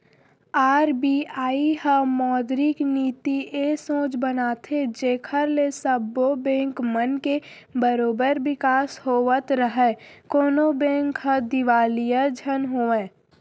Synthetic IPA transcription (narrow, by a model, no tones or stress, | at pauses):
aːɾbiaːiɦəmɔːd̪ɾikniːt̪iʔeːsõːt͡ʃbənaːt̪ʰed͡ʒeːkʰəɾlesəbobɛ̃ːŋkmənke | bəɾoːbəɾʋɪkaːshoːʋət̪ɾəɦɛkoːnobɛ̃ːŋkɦə̃d̪ɪʋaːlijad͡ʒʱənɦoːẽː